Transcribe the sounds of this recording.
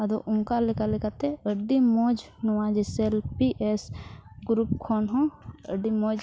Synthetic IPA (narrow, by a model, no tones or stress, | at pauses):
ɐd̪oʔʊ̃ŋkalɪkalikat̪eəɖimoːd͡ʒnuwãd͡ʒeselpiʔesɡɾupkʰonɦõəɖimoːd͡ʒ